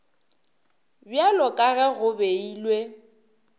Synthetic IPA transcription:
bjalɔkʼaɣɛɣʊbeiːlwe

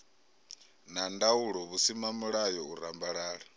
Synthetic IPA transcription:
nandauɺɔβusimamuɺajɔuɾambaɺaːɺa

